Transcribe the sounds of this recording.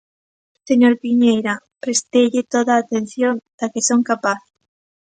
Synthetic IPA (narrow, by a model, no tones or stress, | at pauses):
seɲoɾpiɲejɾa | pɾest̪ejʎɪt̪oðaːt̪en̟θjond̪̥akesoŋkapaθ